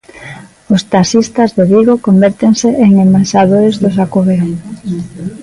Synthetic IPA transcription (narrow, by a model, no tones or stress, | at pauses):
ost̪asist̪azðeðiɣokombeɾt̪eŋseʔeŋembansað̞oɾezðʊsakoβeɾo